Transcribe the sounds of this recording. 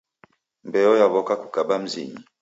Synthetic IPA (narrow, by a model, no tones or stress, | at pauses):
mbɛjɔjaβɔkaku̥kabam̩zḭɲi